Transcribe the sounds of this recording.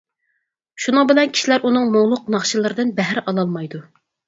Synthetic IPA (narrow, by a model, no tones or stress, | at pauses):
ʃunɨŋbɪlɛnkʲʰi̥ʃilæɾʔunɨŋmoŋlˠʊq̚nɑχʃɨlˠɨɾɨd̪ɨnbɛɦɾʔɑlˠɑlˠmɑjd̪u